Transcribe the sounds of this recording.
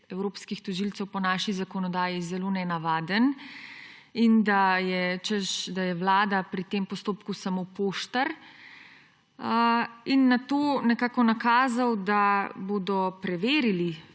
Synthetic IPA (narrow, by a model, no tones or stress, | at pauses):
ɛwɾoːpskixt̪ɔʒilt̪sɛwpɔnaːʃizakɔnɔd̪aːjizɛloːnɛnaʋaːd̪ən | ind̪ajɛt͡ʃəʃd̪ajɛʋlaːd̪apɾit̪eːmpɔst̪oːpkusamopoːʃt̪ɐɾ | inːat̪oːnɛkaːkɔnakaːzawd̪aboːd̪ɔpɾɛʋeːɾili